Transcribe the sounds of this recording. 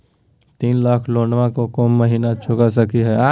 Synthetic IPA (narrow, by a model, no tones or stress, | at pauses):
t̪iːnlaːkʰloːɳɖʋãkokoːmːɐɦiːnat͡ʃʰʊkas̬ɐkiɦɛaː